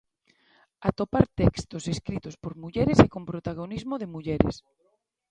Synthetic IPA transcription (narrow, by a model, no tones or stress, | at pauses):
at̪opaɾt̪ɛkst̪oseskɾit̪ospoɾmuʎɛɾesekompɾot̪aɣ̞onizmoðemuʎɛɾḛs